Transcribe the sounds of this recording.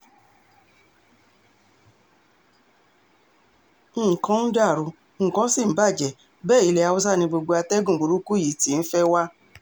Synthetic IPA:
kã˦n̩˦da˦˨ɾu˧˦ | ŋ̩˨kã˨˦sĩ˦˨m̩˨˦ba˦˨d͡ʒɛ˨ | bɛː˦˨i˨˧le˧˦a˨˧wo˦s̬a˦˨nĩ˧bo˧ɡ͡bo˧a˧tɛ˦ɡũ˦˨ɡ͡bo˨ɾu˦ku˦ji˨˦ti˨˦n̩˦fɛ˦wa˦

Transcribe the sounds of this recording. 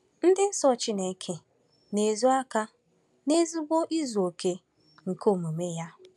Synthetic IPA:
n̩˦dɪ˦n̩˦sɔ˦t͡ʃi˦ne˨˦kʰe˨ | ne˨zu˦a˦ka˦ | ne˦zi˦ɡʷo˦ʔi˦zo˨kʰe˨ | ŋ̩˨ko˦˨mu˨me˦ja˦

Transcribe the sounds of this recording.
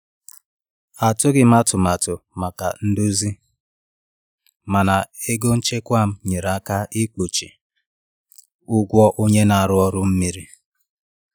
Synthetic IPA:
a˨tʊ˦ɡɪ˨ma˦tʊ˨ma˨tʊ˨ma˨ka̰˨n̩˦du˦zi˦ | ma˨na˨e˦ɡo˦n̩˦t͡ʃe˦kʷa˦˨m̩˦ɲe˨ɾa˨˦ka˦i˦k͡po˨t͡ʃi˨ | ʊ˦ɡʷɔ˦ʔo˦ɲe˦na˨a˨ɾʊ˦ɔ˦ɾʊ˦m̩˦mi˦ɾi˦

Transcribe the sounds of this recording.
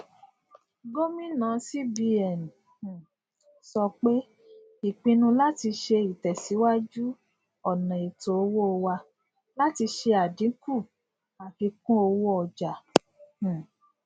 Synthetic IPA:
ɡo˦mĩ˦nã˨˦si˦bi˧ɛ˨ñ˨ | sɔ˧k͡pe˦ | i˨k͡pĩ˧nũ˧la˦ti˧ʃe˧i˨tɛ˨si˨˦wa˦d͡ʒu˦ | ɔ˨nã˨i˨to˨o˧˦wo˦o˧wa˧ | la˦ti˧ʃe˧a˨dĩ˨˦ku˦˨ | a˨fi˧kũ˦o˧wo˦ɔ˨d͡ʒã˨

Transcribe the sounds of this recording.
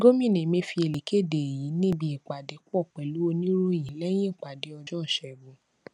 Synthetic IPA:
ɡo˦mĩ˦˨nẽ˨mẽ˧fi˧e˧˨le˨kʰe˦˨de˨ji˨˦nĩ˦bi˧˦e˨k͡pa˨de˨˦ku˦ɔ˦˨k͡pɛ˨lu˨˦o˧nĩ˦ɾo˦˨jĩ˨˦lɛ˦j̃ĩ˦˨k͡pa˨de˨˦ɔ˧d͡ʒɔ˦ɔ˦˨ʃɛ˨bõ˨˦

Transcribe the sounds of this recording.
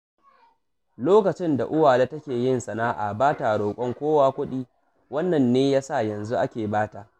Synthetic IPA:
loː˦kɐ˨t͡ʃɪ˦nda̰˨ʔʊ˦waː˨leː˦tɐ˦kʲeː˨jɪ˦nsɐ˨naː˦ʔa̰˨baː˦ta˨ɽoː˨kʷʼɔ˦ŋkʷoː˦waː˦kʷʊ˦ɗiː˦ | wɐ˦nːɐ˨nːeː˦jaː˦sa˦˨jɐ˨nzu˦ʔa˦kʲeː˨baː˦ta˨

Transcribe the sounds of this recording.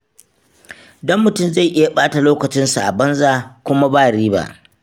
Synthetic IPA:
dɔ˦mːʊ˨tʊ˦˨mza˦˨jʔɪ˦ja˨ɓaː˦ta˨loː˦kɐ˨t͡ʃɪ˦nsu˨ʔa˨bɐ˦nzaː˨kʷʊ˦ma˦baː˦˨ɽiː˦ba̰˦ʔ

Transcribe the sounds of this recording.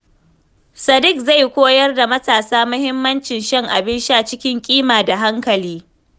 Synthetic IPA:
sɐ˨dɪ˦k̚za˦˨jkʷoː˦jɐ˦rda˨mɐ˦taː˨saː˦mɐ˦hɪ˦mːɐ˦nt͡ʃɪ˨nʃɐ˦ŋʔa˨bɪ˦nʃa˦˨t͡ʃɪ˦kʲɪ˦ŋkʲʼiː˦maː˨da˨ɦa˦ŋkɐ˨liː˦

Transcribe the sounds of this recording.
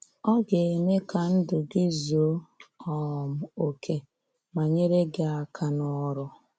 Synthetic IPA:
ɔ˦ɡe˨e˨me˦ka˨n̩˦dʊ˨ɡɪ˦zi˨o˦ɔ˦˨m̩˨o˨kʰe˦ | ma˨ɲe˦ɾe˦ɡɪ˨a˨kʰa˨nɔ˨ɔ˦˨ɾʊ˨

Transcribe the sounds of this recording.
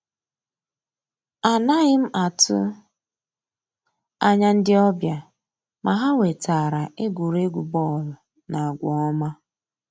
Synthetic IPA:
a˨na˦ɣɪ˦m̩˦ʔa˨tʊ̰˦ | a˦ɲa˦n̩˦dɪ˦ɔ˦bja˨ | mʔa˨ɦa˦we˨ta˨ɾa˨e˦ɡʷu˨ɾe˦ɡʷu˨bɔ˦˨lʊ˨ | na˨ɡʷɔ̰˨ɔ˦ma˦

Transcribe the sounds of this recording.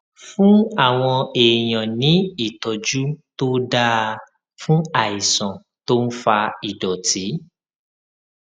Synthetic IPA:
fũ˦a˦˨w̃ɔ̃˧e˨j̃ã˨nĩ˨˦i˦˨tɔ˨d͡ʒu˦to˦da˦˧ | fũ˦a˨i˨sɔ̃˨ | to˦n̩˦fa˧i˨dɔ˨tʰi˨˦

